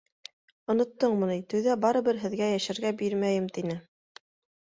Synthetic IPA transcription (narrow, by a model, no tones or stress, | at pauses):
ŏnŏt̪ːɤɴmɤ̆nɤjt̪ɵ̆wðæbɑɾɤ̆βɘɾɦɘ̆ðɡæjæʃæɾɡæbiɾmæjɘmt̪inɘ